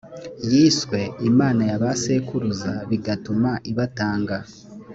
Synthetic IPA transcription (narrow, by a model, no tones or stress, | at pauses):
jiːswe̞imaːnajaβasekuɾuzaβiɡatumaʔiβataːŋɡa